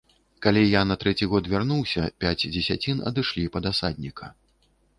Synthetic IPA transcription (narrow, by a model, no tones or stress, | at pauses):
kalʲijanɐt̪ɾɛt͡sʲiɣɔt̪vʲarnuwsʲɐpʲad͡zʲd͡zʲɛsʲat͡sʲinɐ̰d̪ɨʂlʲipɐd̪asad̪ʲnʲikʰɐ